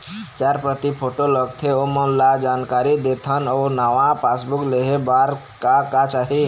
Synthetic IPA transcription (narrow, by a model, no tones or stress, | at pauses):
t͡ʃaɾpɾət̪ipʰoʈoləɡt̪ʰeoməlad͡ʒankaɾid̪et̪ʰənɔʊnaʋãpʰasbukleɦebaɾ | kakat͡ʃaɦi